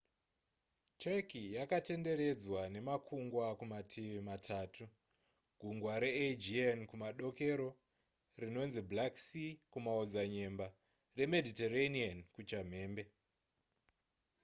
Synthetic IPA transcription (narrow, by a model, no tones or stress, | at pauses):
t͡ʃekijakate̞nde̞ɾe̞d͡zwane̞makʰuŋɡwakumatʰiʋimatʰaːtu | ɡ̥ʱuŋɡwaɾe̞ed͡ʒiankumaɗo̞ke̞ɾo̞ | rino̞nziblaksikumaod͡zaɲe̞mba | re̞me̞dʱiteraniankut͡ʃam̤e̞ːmbe̞